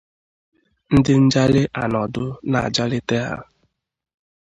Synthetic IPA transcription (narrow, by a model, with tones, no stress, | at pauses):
n̩˦dɪ˦n̩˦d͡ʒa˦lɪ˦ʔa˨nɔ˨dʊ˦na˨a̰˨d͡ʒa˦lɪ˦te˦ɦa̰˦